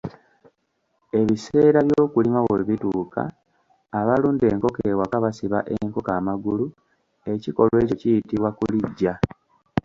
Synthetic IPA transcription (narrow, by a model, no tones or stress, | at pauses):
e̞βise̞ːɾaβjoːkulimaβeiβituːkʰa̰ː | βaluːnde̞ːŋko̞kewakaβasiβaʔeŋko̞kaːmaɡulu | e̞ciko̞lwe̞ːcocijitiβwakuliɟːa